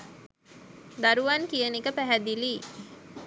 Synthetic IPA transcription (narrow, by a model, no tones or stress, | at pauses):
d̪aɾuʋankijənikəpæɦæd̪iliː